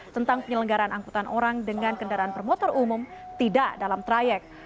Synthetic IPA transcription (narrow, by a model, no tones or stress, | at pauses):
t̪ənt̪aŋpəɲələŋɡaɾaanaŋkut̪anʔoɾaŋdəŋankəndaɾaanpərmot̪ɔrumumt̪idaʔdalamt̪ɾajɛk̚